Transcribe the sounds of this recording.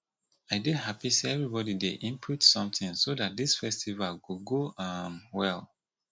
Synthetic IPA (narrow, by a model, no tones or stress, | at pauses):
aɪdiɦapiseɛvɹibɔdideʔĩmpʰutsɔ̃mtɪ̃ŋsodat̚disfɛstʰivalwuɡoamwɛlˠ